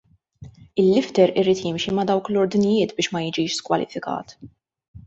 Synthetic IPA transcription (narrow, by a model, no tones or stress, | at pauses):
ɪlːɪft̪ɛɾɪɾiːt̪jɪmʃimɐd̪ɐwklɔɾd̪nɪjɪːt̪bɪːʃmɐjɪd͡ʒiːʃskwɐlɪ̰fɪkɐ̰ːt̪